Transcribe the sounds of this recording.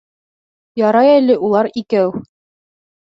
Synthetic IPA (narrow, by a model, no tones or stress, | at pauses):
jɑɾɑjælɘʔulˠɑɾikæw